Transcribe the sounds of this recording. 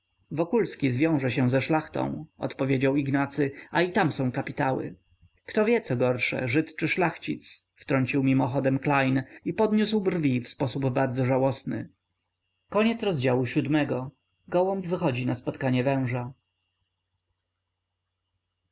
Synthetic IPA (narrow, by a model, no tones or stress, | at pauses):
vɔkulskʲizvʲjɔ̃w̃ʐɛɕɛ̃zɛʂlaxt̪ɔ̰̃w̃ɔ̰t̪pɔvʲjed͡ʑawiɡnat̪sɘait̪amsɔ̃w̃kapʲit̪awɘ̰ | kt̪ɔvʲjɛt̪sɔɡɔɾʂɛ̰ʐɘt̪t͡ʂɘʂlaxt͡ɕit̪sft̪ɾɔɲt͡ɕiwmʲimɔxɔd̪ɛmklajnipɔd̪ɲuswbrvʲifspɔsubbaɾd̪zɔʐawɔsnɘ̰ | kɔɲɛt̪sɾɔzd͡ʑawuɕud̪mɛɡɔ | ɡɔwɔmvɘxɔd͡ʑinaspɔt̪kaɲɛvɛ̃w̃ʐa